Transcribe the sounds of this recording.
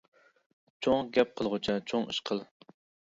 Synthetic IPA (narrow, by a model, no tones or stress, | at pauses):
t͡ʃʰoŋɡʲɛp̚qʰəlˠʁʊt͡ʃʰɛt͡ʃʰoŋɨ̰ʃqʰəlˠ